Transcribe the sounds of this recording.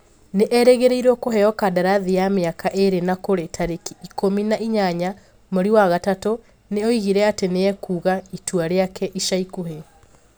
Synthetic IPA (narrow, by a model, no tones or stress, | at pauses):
neʔɛɾɛɣeɾeiɾwɔkoɦɛɔkadaɾaðijameakaʔeɾenakoɾetʰaɾekiikominaʔiɲaɲa | moɾiwaɣatato | neoiɣiɾɛateneɛkuːɣaituaɾeakɛʔiʃaikoɦe